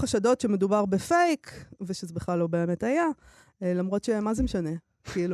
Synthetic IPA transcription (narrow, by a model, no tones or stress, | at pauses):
χaʃado̞tʃe̞me̞dubaʁbefejkveʃezebeχlalːo̞be̞ːme̞taja | lamʁo̞tʃemazemeʃane̞ | kiilu